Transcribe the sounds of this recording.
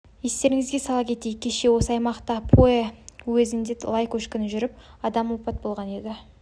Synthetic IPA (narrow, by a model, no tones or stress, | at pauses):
je̞st̪e̞ɾɪŋɪzɡʲe̞sɑlˠɑpkʲʰe̞t̪ej̚ʲkʲʰe̞ʃe̞wo̞səɑjmɑqt̪ɑpʰoewɵzɪnd̪elˠɑjkʲʰɵʃkʲɪnʒʏɾɪp̚ɑd̪ɑmwopɑt̪̚bo̞lˠʁɑne̞d̪ɪ